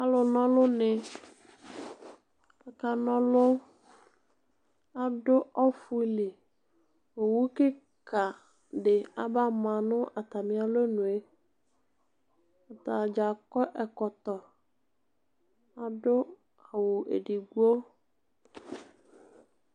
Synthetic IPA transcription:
a˦lʊ˨nɔ̃˦lʊ˦nɪ˨ | ɛ˨ka˨nɔ̃˦lʊ˦ | a˨dʊ˦ɔ˦fu˦li˨ | wo˨wu˦kɪ˦ | ka˨ | ɖɪ˨a˨ba˦mã˨nʊ̃˦ʔa˨t̪a˨mĩ˦a˨lo˦nʊ̃˨e˦ | a˨t̪a˨d͡ʒa˨kɔ˦ʔɛ˨kɔ˨t̪ɔ˨ | a˨dʊ˦ | a˨wʊ˨ʔḛ˨di˨ɡu˦o˦

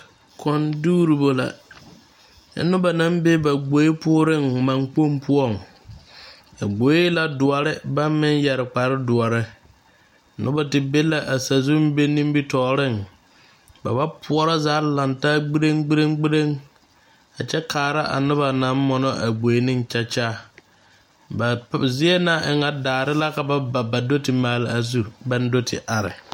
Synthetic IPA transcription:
kʰɔ̃˨nduː˦ɾi˨bo˨la̰˨˦ | nʊ̃˦ba˨nã˦mbɪ˦ba˨ɡ͡bo˨˦e˦pʰʊ˦ɾɪ̃˦ŋ˨mã˨ŋk͡po˦m˦pʰʊ˦ɔ˦˨ŋ | a˨ɡ͡bo˨˦e˦la˨dʊ˨a˨ɾɪ˦ba˦mɪ̃˦n˦jɛ˨ɾɪ˨k͡pa˨ɾɪ˦dʊ˨a˨ɾɪ˦ | nʔʊ̰̃˦ba˨tɪ˨be˦la˨ʔa˨sa˨zʊ˦m˦be˦nĩ˦m˦bi˦tʰɔː˨ɾɪ̃˦˨n | ba˨ba˦pʰʊ˦ɔ˦ɾɔ˦zaː˨˦la˨nta˦ɡ͡bi˦ɾe˦ŋɡ͡bi˦ɾe˦ŋɡ͡bi˦ɾe˦ŋ | a˨t͡ʃɛ˦kʰaː˨ɾa˦ʔa̰˨nʊ˦βa˨nã˨˦m˦mɔ˨nɔ˦ʔa̰˨ɡ͡bo˨e˦nɪ̃˦n˦t͡ʃa˦t͡ʃaː˦ | ba˨zi˦e˦na˦ʔɪ˨ŋa˨daː˨ɾɪ˦la˦ka˨ba˦ba˨ba˨do˦tɪ˨maː˨lɪ˦a˨zu˦ba˦n˦do˦tʰɪ̰˨ʔa˨ɾɪ̰˨

